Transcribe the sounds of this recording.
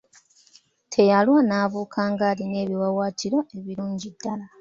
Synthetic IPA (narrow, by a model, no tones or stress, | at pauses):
tʰe̞jalwanaːβuːkʰaːŋɡaːline̞ːβiwawaːtʰiɾo̞e̞βiɾuːɲɟidːala